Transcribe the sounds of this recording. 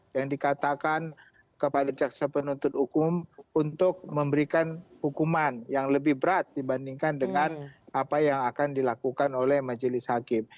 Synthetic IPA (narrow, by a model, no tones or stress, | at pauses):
jaŋdikat̪akan | kəpadad͡ʒaksapənunt̪ʊt̪̚hukʊmunt̪ʊk̚məmbəɾikanhukumanjaŋləbɪhbəɾat̪̚dibandiŋkandəŋanapajaŋakandilakukanolɛhmad͡ʒəlɪshakɪm